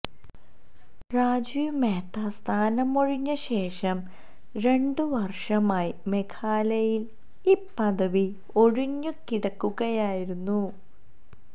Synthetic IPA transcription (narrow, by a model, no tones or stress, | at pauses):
raːd͡ʑiːmeːt̪ːast̪ʰaːnɐmo̞ɻiɲːɐɕe̞ːʂɐm | ɾe̞ɳɖɨʋɐrʂɐmaːjime̞kʰaːlɐjil | iːpːɐðɐʋi | o̞ɻiɲːɨkiɽɐkːuɣɐjaːjiɾunːu